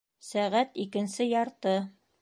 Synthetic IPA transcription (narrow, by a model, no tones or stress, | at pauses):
sæʁæt̪ikɘ̆nsɘjɑɾt̪ɤ